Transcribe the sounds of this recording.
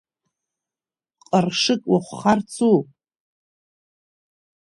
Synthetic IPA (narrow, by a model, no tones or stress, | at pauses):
qʼərʂɨkʼwaχʷχart͡sʰu